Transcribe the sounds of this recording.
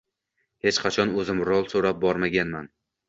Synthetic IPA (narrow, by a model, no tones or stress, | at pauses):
he̞t͡ʃqʰɑt͡ʃʰɒnɵzɪmɾɒlˠsoɾap̚bɒɾmaɡʲanman